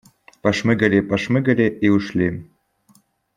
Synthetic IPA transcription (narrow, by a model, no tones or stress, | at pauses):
pɑʃmɘ̆ɡɘ̆ɾʲepɑʃmɘ̆ɡɘ̆ɾʲeʔeuʃlʲe